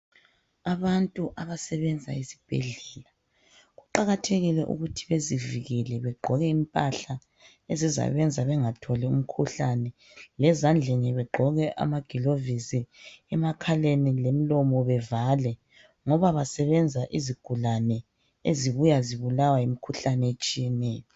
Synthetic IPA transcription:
aβantʼuʔaβasɛβɛnd͡zʱa̰isi̥b̥ʱḛɮɛla | ɣuǃaɣatʰeɣilɛʔṵɣutʰiβeziviɣɛlɛβɛɡ͡ǃʱɔɣɛimpʼaɬa | eziza̰βɛnd͡zʱaβɛŋatʰolium̩kʰuɬanɛ | lɛzand͡ɮʱeniβɛɡ͡ǃʱɔɣɛʔa̰maɡ̥ʱilovisiɛmakʰalenilem̩lɔmɔβɛvalɛ | ŋɔβaβasɛβɛnd͡zʱaʔiziɡ̥ʱulanɛ | eziβujaziβulawajimikʰuɬanɛet͡ʃʼijɛnɛːjɔ

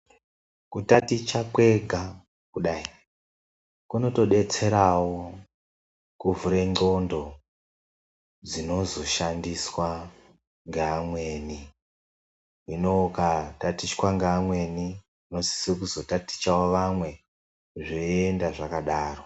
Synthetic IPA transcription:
kutatit͡ʃakwe̞ɡʱa | kuɗai | kuno̞to̞ɗe̞t͡se̞ɾawo | kuvʱuɾe̞ŋ͡ǃo̞ndo̞ | d͡zino̞zo̞ʃandiswa | ŋɡeamwe̞ːni | ino̞katatiswaŋɡeamwe̞ni | ino̞si̥sekuzo̞tati̥t͡ʃawoʋamwe̞ | ʐeendaʐakaɗaːro̞

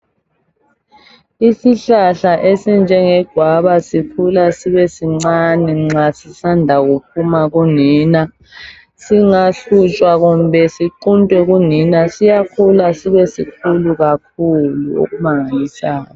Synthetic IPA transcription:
isiɬaɬaʔesind͡ʒʱɛŋɛɡ̥ʱwaβasipʰulasiβɛsiŋ͡ǀaniŋ͡ǁasisandʱaɣup̚ʰumaɣuniːna | siŋaɬut͡ʃʼwaɣumbʱɛsiǃuntʼwɛɣuninasijakʰulasiβɛsikʰuluɣakʰuluo̰ɣumaŋalisaːna

